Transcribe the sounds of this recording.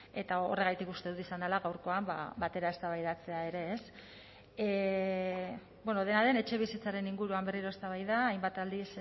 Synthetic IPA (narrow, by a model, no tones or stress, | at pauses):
e̞t̪aore̞ɣ̞ajt̪ikust̪e̞ðut̪isand̪elaɣawɾko̞amba̰bat̪e̞ɾae̞st̪aβajðat͡se̞ae̞ɾe̞ːs | bwe̞no̞ð̞e̞naðe̞ne̞t͡ʃe̞β̞isit͡saɾe̞niŋɡuɾuambe̞riɾo̞e̞st̪aβ̞ajðaːjmbat̪ald̪is